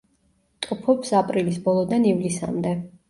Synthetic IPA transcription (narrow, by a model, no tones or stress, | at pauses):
t̪ʼupʰɔpsapʼɾilisbɔlˠɔd̪anivlisa̰md̪ɛ